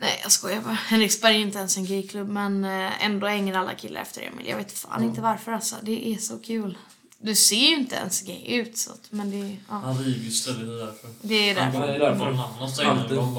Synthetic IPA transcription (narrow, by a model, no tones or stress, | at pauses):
nɛɪjɑ̰skɔjavœhɛnɾɪkspɛɾjɪnt̪əɛnsɛnɡɛːkʰlɵbːmɛnɛ̰nd̪ohɛŋːəɾalːa̰kʰɪlːʔa̰ɾɛ̰ft̪əɾɛ̰mɪ̰ljɑ̰ɡveːt̪fa̰ːnɪnt̪əvaɾfœɾasa̰d̪ɛʔæsɔkʰʉ̟ːl | d̪ɵseːjɪnt̪əɛ̰nsɛɡɛ̰jʉ̟ːt̪sɔ̰t̪mɛnd̪ɛɑːhɾiɡəst̪ɛlɪd̪əd̪æɾfəɾd̪ɛːjd̪æ̰ɾfɛd̪æɾfəanːaa